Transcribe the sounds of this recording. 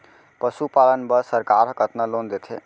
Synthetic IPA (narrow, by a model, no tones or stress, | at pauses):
pəsupalənbəsəɾkaɾkət̪nalond̪et̪ʰe